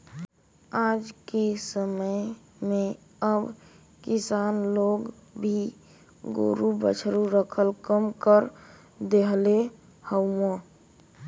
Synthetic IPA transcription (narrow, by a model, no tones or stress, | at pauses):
ad͡ʒkesəməj | mẽ | əb | kɪsaːnloɡ | bʱi | ɡo̰ɾubət͡ʃʰɾuɾəkʰəlkəmkəɾ | d̪eɦle | həʊmo